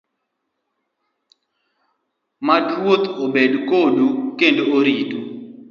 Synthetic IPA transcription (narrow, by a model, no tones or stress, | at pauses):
madwot̪obedkodukendooɾido